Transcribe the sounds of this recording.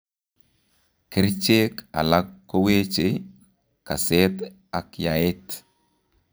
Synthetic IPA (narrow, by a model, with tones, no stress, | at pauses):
ki˦ɾt͡ʃe˦ka̰˨la˦kːo˦we˦t͡ʃe˨ | ka˨se˦t | a˨kja˨e˦t